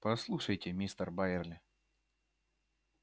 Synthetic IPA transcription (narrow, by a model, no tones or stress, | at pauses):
pɐslˠuʂəjtʲɪmʲist̪ərbajɪrlʲɪ